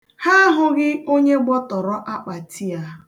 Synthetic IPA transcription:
ha˦ɦʊ˦ɡɪ˦o˦ɲe˦ɡ͡bɔ˦tɔ˨ɾɔ˦ʔa˦k͡pa˨tʰi˦a˦

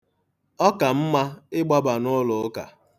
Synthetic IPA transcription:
ɔ˦ka˨m̩˦ma˦ɪ˦ɡ͡ba˦ba˨nʊ˦lʊ˨˦ka̰˨

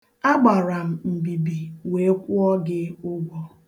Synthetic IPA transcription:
a˦ɡ͡ba˨ɾa˨m̩˨m̩˨bi˨bi˨we˨˦kʷu˦ɔ˦ɡɪ˦ʊ˦ɡʷɔ˦

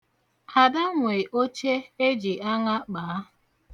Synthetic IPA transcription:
a˨da˦ŋʷe˨ʔo˦t͡ʃe˦e˦d͡ʒi˨a˦ŋa˦k͡paː˨˦

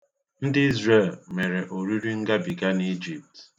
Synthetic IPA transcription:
n̩˦dɪ˦i˦zre˦˨lme˨ɾe˨ʔo˨ɾi˦ɾi˦ŋ̩˦ɡa˦bi˨ɡa˦ne˦d͡ʒi˨p̚t

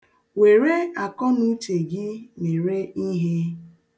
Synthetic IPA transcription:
we˨ɾe˦a˨kɔ˦nu˦te˨ɡɪ˦me˨ɾe˦i˦ɦe˦

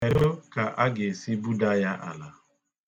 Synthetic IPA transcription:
e˨ɾo˦ka˨ʔa˦ɡe˨si˦bu˦da˦ja˦ʔa̰˨la˨

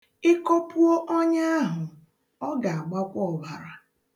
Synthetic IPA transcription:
ɪ˦ko˦pu˦o˦ʔɔ˦ɲa˦a˦ɦʊ˨ | ɔ˦ɡa˨a˨ɡ͡ba˦kʷɔ˨ba˨ɾa˨

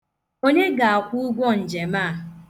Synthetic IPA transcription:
o˦ɲe˦ɡa˨a˨kʷu˦u˦ɡʷɔ˦n̩˨d͡ʒe˨maː˦˨

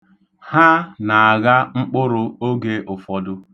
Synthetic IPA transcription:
ha˦na˨a˨ɣa˦ŋ͡m̩˦k͡pʊ˦ɾʊ˦o˦ɡe˦ʔʊ˨fɔ˦dʊ˦

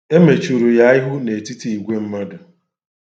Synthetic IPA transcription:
e˦me˨t͡ʃu˨ɾu˨ja˦ɪ˦ɦʊ˦ne˨ti˦ti˦˨i˨ɡʷe˦m̩˦ma˦dʊ˨

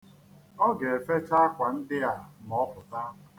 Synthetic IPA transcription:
ɔ˦ɡe˨e˨fe˦t͡ʃa˦kʷa˨n̩˦dɪ˦a˨m˨ɔ˦kʊ˨ta˦a˨

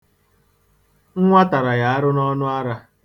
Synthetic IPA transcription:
ŋ̩˦ŋʷa˦ta˨ɾa˨ja˨a˦ɾʊ˦nɔ˦nʊ˦a˦ɾa˦

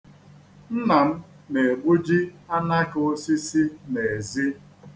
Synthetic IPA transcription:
n̩˦na˨m̩˦ | ne˨e˨ɡ͡bu˦d͡ʒi˦a˦na˦ko˦si˦si˦ne˨e˨zi˦

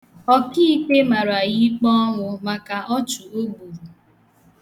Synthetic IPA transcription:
ɔ˦ki˦i˦k͡pe˦ma˨ɾa˨ji˦k͡pɔ˦ɔ˦ŋʷʊ˨ma˨ka˨ʔɔ˦t͡ʃʊ˨o˦bu˨

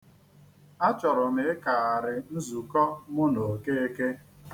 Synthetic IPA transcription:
a˦t͡ʃɔ˨ɾʊ˨mɪ˨ɪ˦ka˨a˨ɾɪ˨n̩˦zu˨kɔ˦mʊ˦no˨ke˦e˦ke˦

